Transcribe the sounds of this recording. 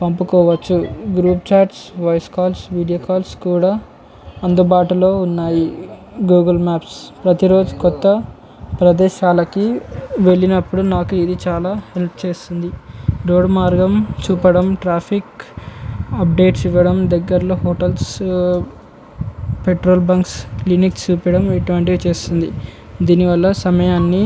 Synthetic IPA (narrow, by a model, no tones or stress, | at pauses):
pɐmpukɔːʋɐt͡ʃːuɡɾuːpt͡ʃaːʈsʋɐjskaːlsʋiːɽijoːkaːlskuːɽaː | ɐnd̪ubaːʈulo̞ːunːaːji | ɡuːɡɐlmaːpspɾɐt̪iɾo̞ːd͡ʒukɔt̪ːɐ | pɾɐd̪ɛːʃaːlɐkiʋe̞ɭinɐpːuɽunaːkuid̪it͡ʃaːlaːhe̞lp̚ʰt͡ʃe̞ːst̪und̪iɾoːɖmaːɾɡɐmt͡ʃuːpɐɽɐmʈɾaːpʰik | ɐp̚ɖe̞ːʈsiʋːɐɽɐmd̪ɐɡːɐɾɐloːhoːʈɐls | peʈɾoːlbɐŋkslinikst͡ʃuːpɐɽɐmeʈuʋɐɳʈ̬iʋit͡ʃe̞ːst̪und̪ḭ | d̪iːniʋɐlːɐsɐmɐjaːnːi